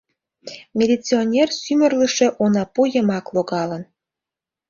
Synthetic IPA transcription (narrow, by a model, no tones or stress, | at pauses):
mʲelʲit͡sionʲersymərləʃe̽ʔonɑpujəmɑkloɣɑlən